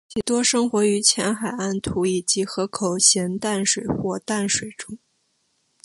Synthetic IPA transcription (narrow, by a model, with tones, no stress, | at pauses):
t͡ɕʰi˨˩t̪wɔ˥ʂɤ˥ŋxwɔ˧˥y˧˥t͡ɕʰjɛ˧˥nxa˨˩ɪa˥˩nt̪ʰu˧˥i˨˩t͡ɕi˧˥xɤ˧˥kʰo˨˩ʊɕjɛ˧˥nt̪a˥˩nʂwe˨˩ɪxwɔ˥˧t̪a˥˩nʂwe˨˩ɪʈ͡ʂʊ˥ŋ